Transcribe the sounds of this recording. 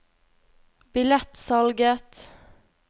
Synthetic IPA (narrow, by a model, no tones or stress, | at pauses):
bɪlɛt̪sɑlɡət̪